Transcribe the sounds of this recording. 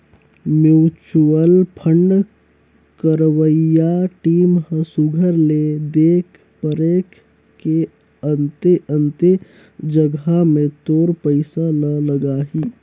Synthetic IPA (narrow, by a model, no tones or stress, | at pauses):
mjuːt͡ʃuəlpʰəɳɖ | kəɾʋəjaʈiːmɦəsuɡʱəɾled̪eːkʰ | pəɾek | ke | ənt̪eənt̪e | d͡ʒəɡamẽt̪oːɾpəɪsalələɡaːɦi